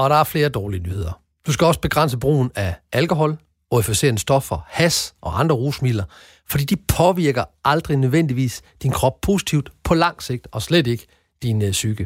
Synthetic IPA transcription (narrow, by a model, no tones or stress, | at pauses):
ɒ̽ɾ̥ɑ̈æɐfle̝ːɐd̥ɒːliənyːhe̝ð̞̰ˠɐ | d̥usɡ̥æɒ̽sb̥e̝ɡ̥ʁɑn̰səb̥ʁṵːnæʔælkʰo̝ɦɒ̽l | ɒifise̝̰ːɐnəsd̥ɒ̽fɒhæsʔɒ̽ʔɑ̈nd̥ʁɐʁuːsmil̰ɐ | fɒd̥ḭːd̥ipʰɒ̽ʋiɐɡ̥ɐʔɑ̈ld̥ʁinøðˠʋen̰d̥iʋḭːsd̥inkʰʁɒ̽b̥̚pʰo̝ːsi̥t͡sʰiʊ̰d̥pʰɒ̽lɑ̈ŋ̰se̝ɡ̥̚d̥ɒ̽sled̥e̝ɡ̥ə̥ | d̥insyɡ̥ə